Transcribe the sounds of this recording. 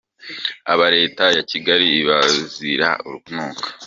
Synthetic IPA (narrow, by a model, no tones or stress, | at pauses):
a̰βaɾe̞ːtajaciɡaɾiβaziɾa̰uɾuɡunuːkḁ